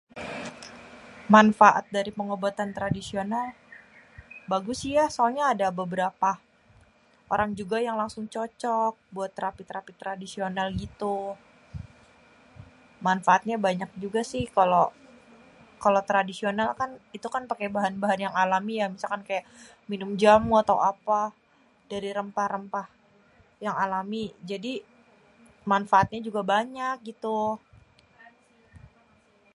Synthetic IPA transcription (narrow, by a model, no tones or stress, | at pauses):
manfaʔa̰t̪̚daɾipəŋobat̪ant̪ɾadisional | baɡʊsijasoaɲaːdabəbəɾapa | ʔoɾaŋd͡ʒuɡajaŋlaŋsʊŋt͡ʃɔt͡ʃɔk̚buat̪ːɾapit̪ɾapit̪ːɾadisionalɡit̪u | manfaat̪̚ɲabaɲak̚d͡ʒuɡasɪhkalo | kalot̪ɾadisionalkanit̪ukanpakajbaɦanbaɦanjaŋalamijamisalkankajaʔ | minʊmd͡ʒamuat̪aw̰apa | daɾiɾəmpahrəmpah | jaŋalamid͡ʒadi | manfaat̪̚ɲad͡ʒuɡabaɲak̚ɡit̪u